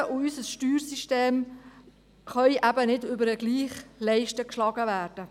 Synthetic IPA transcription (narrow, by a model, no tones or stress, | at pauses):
ʔʊysəsʃtyːɾsiʃteːm | χœʏjʔæbənɪdʏbəɾəɡliːχlɛɪʃtəkʃlɑɡəʋæːrd̥ə